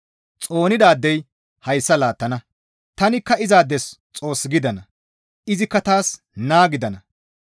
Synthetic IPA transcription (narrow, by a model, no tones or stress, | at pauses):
t͡sʼo̞ːnɪd̪aːd̪ːɛj | hɐjsːɐlaːt̪ːɐnɐ | t̪ɐnɪkːɐɪzaːd̪ːɛst͡sʼo̞ːsːɡɪd̪ɐnɐ | ʔɪzɪkːɐt̪aːs | naːɡɪd̪ɐnɐ